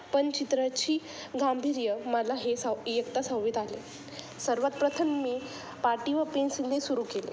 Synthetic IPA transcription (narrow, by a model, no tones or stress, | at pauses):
pənt͡ɕit̪ɾət͡ɕiː | ɡambʱiɾjəməlaɦesajəkt̪asãwʋiːt̪ale | səɾʋət̪pɾət̪ʰəmːiː | paɾʈiʋəpensind̪ʱesuɾuːkelḛ